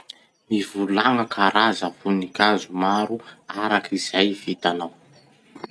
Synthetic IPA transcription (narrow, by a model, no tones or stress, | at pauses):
mivulaŋəkʰaɾazəvunikʲazumaɾuaɾakʰiz̥ajvit̪anaw